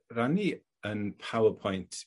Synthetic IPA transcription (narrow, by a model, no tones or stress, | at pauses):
rani | ənpʰawəpʰɔjntʰ